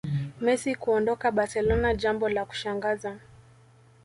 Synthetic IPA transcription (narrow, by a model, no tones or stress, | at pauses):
mɛsikuɔndɔkaɓaɾsɛlɔnaʄambɔlaku̥ʃaŋɡaza